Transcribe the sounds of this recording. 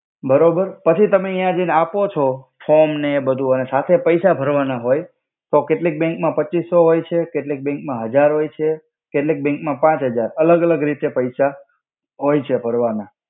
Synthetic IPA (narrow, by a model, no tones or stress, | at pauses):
bəɾobəɾpət͡ʃʰit̪əmeijãd͡ʒeneapot͡ʃʰofʰomnebəd̪ʱuənesat̪ʰepəjsabʱəɾʋanaɦoj | t̪okeʈlik̚bɛ̃ŋkmãpətːt͡ʃisːoɦojt͡ʃʰekeʈlik̚bɛ̃ŋkmãɦəd͡ʒaɾɦojt͡ʃʰe | keʈlik̚bɛ̃ŋkmãpãt͡ʃɦəd͡ʒaɾələɡələɡɾit̪epəjsa | ɦojt͡ʃʰebʱəɾʋana